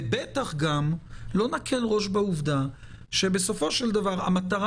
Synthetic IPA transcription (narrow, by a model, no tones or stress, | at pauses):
bet̪aχɡamlo̞nakʰe̞lʁo̞ʃbauvd̪a | ʃe̞be̞so̞fo̞ʃeld̪avaʁa̰mat̪aʁ